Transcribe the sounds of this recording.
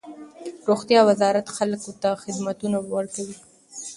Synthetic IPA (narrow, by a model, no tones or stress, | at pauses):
ɾoxt̪jɑwazɑɾat̪xalkʊt̪axɪd̪mat̪unawəɾkawi